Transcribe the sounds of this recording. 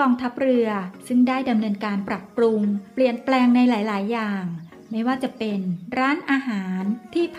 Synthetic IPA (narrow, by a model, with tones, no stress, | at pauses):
ɔː˧ŋt̪ʰa˦˥p̚ɾɯ˧ɐsɯ˥˩ŋdaː˥˩jda˧mnɤː˧nkaː˧npɾa˨˩pːɾu˧ŋpli˨˩ənplɛː˧ŋna˧jlaː˩˦jlaː˩˦jːaː˨˩ŋ | ma˥˩jwaː˥˩t͡ɕa˨˩pe˧nɾaː˦˥nʔaː˧ɦaː˩˦nt̪ʰiː˥˩pʰ